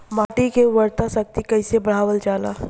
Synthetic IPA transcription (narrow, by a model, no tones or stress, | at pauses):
maːʈikeʋɐɾt̪asɐk̚t̪ikɐɪsebɐɽ̤aːʋəld͡ʒaːla̰ː